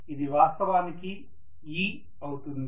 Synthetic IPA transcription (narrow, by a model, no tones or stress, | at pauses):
id̪iʋaːst̪ɐʋaːniki | iː | ɐwut̪und̪